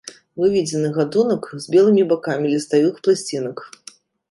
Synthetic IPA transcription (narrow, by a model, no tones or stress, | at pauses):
vɨvʲid͡zʲɛnɨɣad̪unɐkzʲbʲɛlˠɨmʲibakamʲilʲist̪avɨxplˠasʲt͡sʲinɐk